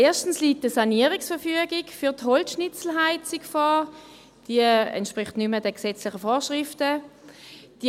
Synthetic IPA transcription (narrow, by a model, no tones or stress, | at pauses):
eːɐʃtn̩sliːt̚dəsaniəʁɪksfɛɐfyəɡɪkfyɐtɦɔlsʃnɪt͡sl̩ɦaɪtt͡sikfaː | d̥iəɛ̰ntʃpʁɪχtnymədɛksɛt͡slɪχəfoːʃʁɪftə | d̥i